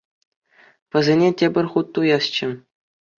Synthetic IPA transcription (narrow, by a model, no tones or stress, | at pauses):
pɘ̆zʲenʲetʲebʲɘ̆rʲχut̪ːujɑst͡ɕɘ̆